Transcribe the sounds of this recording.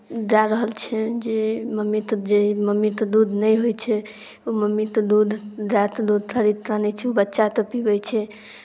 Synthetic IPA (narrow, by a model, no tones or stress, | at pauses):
d͡ʒaɾəɦəlt͡ʃʰɛd͡ʒeməmːit̪d͡ʒeməmːit̪d̪ud̪ʱnəjɦojt͡ʃʰɛ | uməmːit̪d̪ud̪ʱd͡ʒat̪d̪ud̪̚ʱt̪ʰəɾit̪ɾanɛt͡ʃʰɛubətːʃat̪əpibɛt͡ʃʰɛ